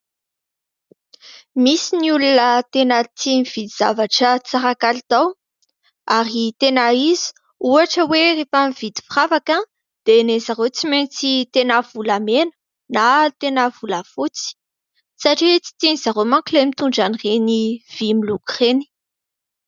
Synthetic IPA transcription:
misiniulunət̪enət͡s̪iniv̥id̪iz̥avaʈ͡ʂət͡saɾakalit̪aw | aɾit̪enaizi̥ | uaʈ͡ʂəwerefamiv̥id̪i̥fravakə | d̪̥enezaɾot͡siment͡sit̪enavulamenə̥ | nat̪enəvulafut͡si̥ | saʈ͡ʂit͡si̥t̪inizaɾomaŋkilemit̪uɳɖ͡ʐanireniv̥imilukreni̥

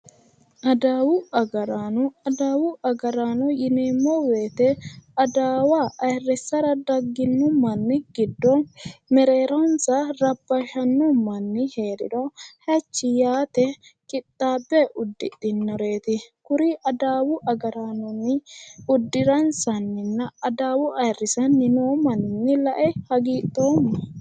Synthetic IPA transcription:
ʔɐd̪aːwʊɐɡɐɾaːnʊɐd̪aːwʊʔɐɡɐɾaːnɔjɪneːmːɔwe̞ːt̪ɛɐd̪aːwaːʔɐjrːɛsːɐɾɐd̪ɐɡːɪnːɔmɐnːɪɡɪd̪ːɔmɛɾeːɾɔnsɐɾɐbːɐʃɐnːɔmɐnːɪheːɾɪ̰d̪ɔhɛt͡ʃːɪjaːt̪ɛkʼɪt̪ʼːaːbːɛʔʊd̪ːɪt̪ʼːɪnːɔɾe̞ːt̪ɪkʊɾɪʔɐd̪aːwʊʔɐɡɐɾanɔnːɪʊd̪ːɪɾɐnsɐnːɪnːɐɐd̪aːwʊʔɐjrːɪsɐnːɪnoːmɐnɪnːɪlɐʔɛhɐɡiːt̪ʼːoːmːɐ

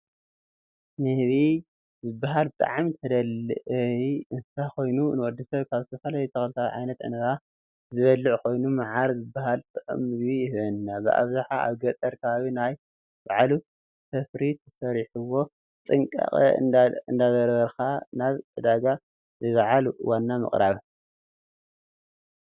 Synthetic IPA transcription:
nɨhβi | zɨbːaɦalt̪ʼa̰ʕamt̪ʰɐd̪ɐlʔɨiɨnsʰako̞jnunɨwɔd̪ːɐsɐβkʰaβzɨt̪ʰɐfɐlajut̪ʰɐxlɨt̪ʰaβʕa̰jnɐt̪ʔɨ̰nɐɾa | zɨβɐlːɨʕkʰo̞jnumaʕaɾzɨbːaɦalt̪ʼɨʕɨ̰mɨβiɪhɨβɐnːabɨ̰ʔa̰βzaħaʔa̰βɡɐt̪ʼɐɾkʰaβaβinaj | baʕlu | t̪ʰɐfɾit̪ʰɐ̥sɐɾħuwo̞ | t͡s̪ʼɨŋkʼa̰χʼɨnd̪azɐɾβɐɾxanaβʔɨd̪aɡa | zɨβaʕal̰wanːamɨ̰χʼɾaβ

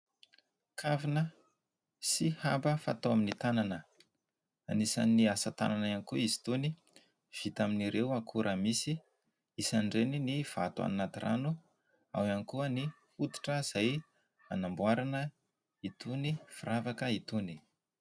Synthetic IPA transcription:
kʰavinə | sihambəfa̰t̪oaminit̪ananə | anisa̰niasət̪a̰nananikuizi̥t̪uni | v̥it̪aminiɾewakʰuɾʔəmisi | isanɖ͡ʐeniniv̥a̰t̪ua̰nnad̪irʔa̰nu | a̰wanikuəni | hut̪i̥ʈ͡ʂəz̥aj | anambuaɾanə | it̪unifiravakəit̪uni̥

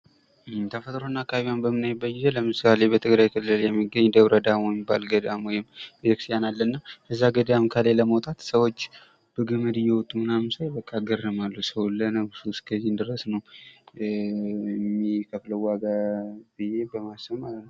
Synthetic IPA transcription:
ɨt̪ʰəfət̪ʼɾonːakʰaβijanbəmɨnːajbəjɪzələmɨsale̞bət̪ʰɨɡɾajkʰɨlːɨljɛmːiɡːəɲd̪əβɾəd̪ammːibalɡəd̪amwɔjɪmbəəkst̪janalːənːakʰəzːaɡəd̪amkʰəleləməwt̪ʼat̪səwo̞t͡ʃː | b̥əɡɨmɨd̪ɨjɛwɔt̪ʼːumɨnamɨsajbəkʼːaɡəɾəmalːusəwlːənəɡsuskʰəzːind̪ɨɾəsnəw | mːikʰəfləwwːaɡabɨje̞bəmasəβmalət̪̚nəw

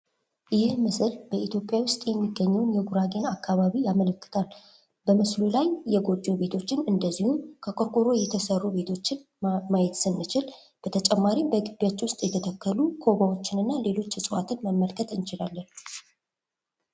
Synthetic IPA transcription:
jɪhmɨsɨlbəit̪jopʼːjawʊst̪ʼjɛmːiɡːəɲːɛwnjɛɡuɾaɡe̞nakːaβaβijamələkːɨ̥t̪ʰal | bəmɨslulajːɛɡo̞d͡ʒːo̞βe̞t̪ʰo̞t͡ʃːɪnɨnd̪əzːihukʰəkʼoɾkʼoɾo̞jɛt̪ʰəsərːube̞t̪ʰo̞t͡ʃːɪn | majɛt̪sɨnːɨt͡ʃɪl | b̥ət̪ʰət͡ʃʼɛmːaɾimbəɡɨbijat͡ʃːwʊst̪ʼjɛt̪ʰət̪ʰəkːəlukʰo̞βawo̞t͡ʃːɪnɨnːale̞lo̞t͡ʃːɨsʼɨwat̪ʰɨnməmːəlkʰət̪ʼɨnt͡ʃɪlalːən

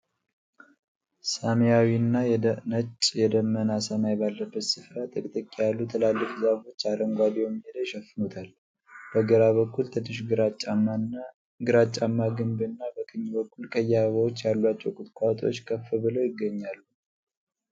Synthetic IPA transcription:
samjawinːajnət͡ʃʼːjɛd̪əmːənasəmajbalːəbːət̪sɨfɾat̪ʼɨkʼt̪ʼɨkʼːijalːut̪ʰəlalːɨfzafo̞t͡ʃːaɾəŋɡʷad̪ijɛmːihed̪əjʃɛfɨnut̪ʰal | b̥əɡəɾaβəkʰːult̪ʰɨnːɨʃɡɾ | ɡɨɾat͡ʃʼːamːaɡɨmbɨnːabəkʰɨɲːbəkːulkʼʰəjːaβəwot͡ʃːjalːuat͡ʃːɛwkʼʊt̪ʼkʷʼat̪ʼo̞̰t͡ʃːkʰəfɨβɨlojɪɡːəɲːalːu

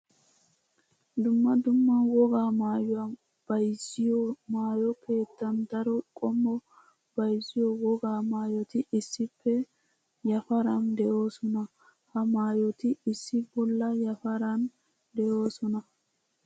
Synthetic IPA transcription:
d̪ʊmːɐd̪ʊmːɐwɔɡaːmaːjɔɐn | b̥ɐjzɪjɔmaːjɔke̞ːt̪ːɐnd̪ɐɾɔkʼɔmːɔ | b̥ɐjzɪjɔwɔɡaːmaːjɔt̪ɪʔɪsːɪpːɛ | jɐfɐɾɐnd̪ɛʔoːsɔnɐ | hɐmaːjɔt̪ɪɪsːɪbɔlːɐjɐfɐɾɐn | d̪ɛʔo̞ːsɔnɐ

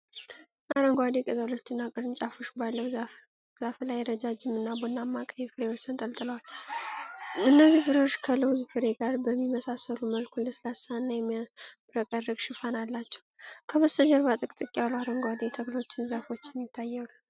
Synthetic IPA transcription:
ʔaɾəŋɡwad̪ekʼɨzalo̞t͡ʃːɪnːakʼɨɾɨnt͡ʃʼafo̞ʃbalːəwz | zaflajɛɾəd͡ʒad͡ʒɪmɨnːabonːamːakʼəjɛfɨɾe̞wo̞t͡ʃːt̪ʰɨnt̪ʼəlt̪ʼɨləwal | ɨnːəzːihfɨɾewo̞t͡ʃːkʰələwzufɨɾe̞ɡaɾbəmːiməsasəluməlkʰuləsɨlasanːajɛmːiabɨɾəkʼərːəɡʃɨfanalːat͡ʃːɛ̥wkʰəβəst̪əʒəɾβat̪ʼɨkʼt̪ʼɨkʼːialuaɾəŋɡʷad̪et̪ʰəɡlo̞t͡ʃːɪnzafo̞t͡ʃːɛnjɪt̪ʰːajːɛlu

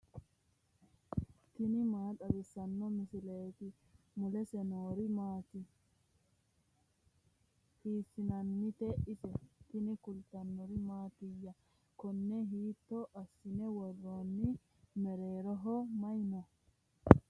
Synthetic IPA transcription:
t̪ɪnɪmaːt̪ɐbɪsɐnːɔmɪsɪleːt̪ɪ | mʊlɛsɛnoːɾɪmaːt̪ɪ | hiːsːɪnɐnːɪt̪ɛʔɪsɛt̪ɪnɪkʊlt̪ɐnːɔɾɪmaːt̪ɪjːɐ | kɔnːɛɦiːt̪ːɔʔɐsːɪnɛwɔrːoːnːɪ | mɛɾe̞ːɾɔɦɔmɐjnɔ

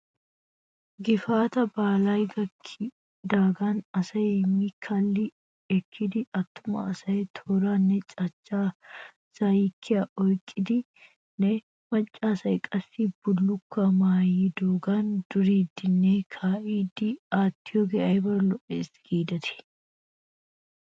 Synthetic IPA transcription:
ɡɪfaːt̪ɐbaːlajɡɐkʰː | d̪aːɡanɐsɐjmikʰːɐlːɪ | ɛkʰːɪd̪ɪɐt̪ːʊmɐ̰ːsɐjɛt̪ʰoːɾanːɛt͡ʃʼɐt͡ʃʼːaː | sajikʰːɪɐʔɔjkʼːɪd̪ɪ | nɛ | mɐt͡ʃʼːaːsɐjkʼɐsːib̥ʊlːʊkːɐmaːjid̪oːɡand̪̥ʊɾiːd̪ɪnːeːkʰaːʔiːd̪ɪaːt̪ːɪjɔɡɛʔɐjbɐɾlɔʔeːsɡ̥iːd̪ɐt̪ʰɪ̥

